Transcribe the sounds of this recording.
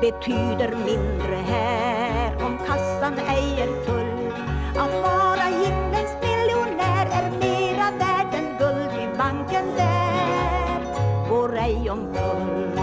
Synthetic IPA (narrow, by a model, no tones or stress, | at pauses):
b̥ət̪ʰyːd̪əɾmɪnd̪ɾəɦæːɾɔmkʰast̪anɛjəɾfɵl | ʔatfɑːɾahɪmlənsmɪljʊnæːɾɛɾmeːɾavæːɖənɡɵld̪ibaŋkənd̪æː | ɾ | ɡoːɾɛɪɔmɡɵl